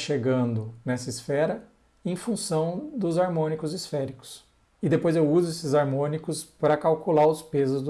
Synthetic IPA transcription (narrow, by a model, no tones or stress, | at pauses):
ʃeɡɐ̃nd̪ʊnɛsɐisfɛɾɐ | ẽj̃fũsɐ̃w̃d̪ʊzaɾmõnikʊzisfɛɾikʊ̥s | ɪd̪epojzewuzʊesɪzaɾmõnikʊspɾɐkawkulaɾʊspezʊzd̪